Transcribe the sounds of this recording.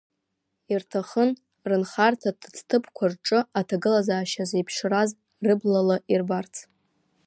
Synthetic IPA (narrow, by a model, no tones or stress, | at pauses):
irtʰaχən | rɨnχartʰadt͡stʰɨpʰkʷʰarʈ͡ʂʼɨatʰaɡɨlazaːʃazejpʰʂraz | rɨblalaʔirbart͡sʰ